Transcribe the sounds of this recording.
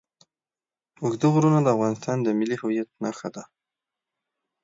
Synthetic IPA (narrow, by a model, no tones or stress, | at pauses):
ʊɡd̪əɣɾunad̪əavɣɑnɪst̪ɑnd̪əmɪlihʊwijat̪̚naxad̪a